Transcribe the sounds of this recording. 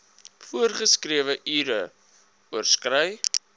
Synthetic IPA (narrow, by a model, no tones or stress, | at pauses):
fuərχəskriəvəʔyːɾə | uərskrəj